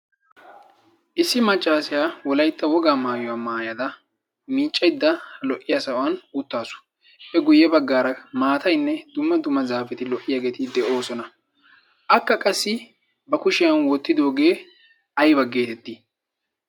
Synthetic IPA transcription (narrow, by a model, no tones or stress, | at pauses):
ʔɪsːɪmɐt͡ʃʼːaːsɪjaːwɔlɐjt̪ːɐwɔɡaːmaːjɔwaːmaːjɐd̪ɐ | miːt͡ʃʼːɐjd̪ːɐhɐlɔʔːɪjasɐɔwɐnʊt̪ːaːsʊ̥ | ʔɛɡʊjːɛbɐɡːaːɾɐmaːt̪ɐjnːɛd̪̥ʊmːɐd̪ʊmːɐzaːfɛt̪ɪlɔʔːɪjaɡeːt̪ɪd̪ɛʔo̞ːsɔnɐ | ʔɐkːɐkʼɐsːɪ | bɐkʊʃɪjɐnwɔt̪ːɪd̪o̞ːɡe̞ː | ɐjbɐɡe̞ːt̪ɛt̪ːi